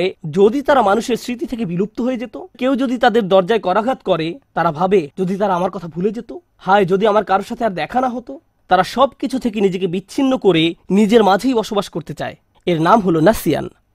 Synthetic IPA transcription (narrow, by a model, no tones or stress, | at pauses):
ed͡ʑod̪it̪aɾamanuʃeɾsɾit̪it̪ʰek̬ebilup̚t̪oɦoed͡ʑet̪okewd͡ʑod̪it̪ad̪eɾd̪ɔɾd͡ʑaekɔɾaɡʱat̪kɔɾet̪aɾabʱabed͡ʑod̪it̪aɾaamaɾkɔt̪ʰabʱuled͡ʑet̪o | haed͡ʑod̪iamaɾkaɾoʃat̪ʰeaɾd̪ɛkʰanaɦot̪o | t̪aɾaʃɔbkit͡ɕʰut̪ʰek̬enid͡ʑek̬ebitːɕʰinːokoɾenid͡ʑeɾmad͡ʑʱejbɔʃobaʃkoɾt̪et͡ɕa̰e | eɾnamɦolonasija̰n